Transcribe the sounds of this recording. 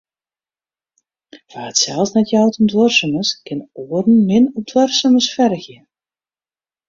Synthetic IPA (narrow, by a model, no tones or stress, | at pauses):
v̥aːətsɛlˠsnɛtjawtəndwɔrsəməskɪnoːərn̩mɪnɔp̚dwœrsəməsfɛrɣjə